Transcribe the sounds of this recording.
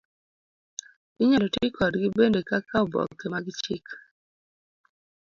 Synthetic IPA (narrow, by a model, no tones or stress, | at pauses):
ɪɲalɔtɪkʰɔdɡɪbendekakaobɔ̰kːemaɡɪt͡ʃɪk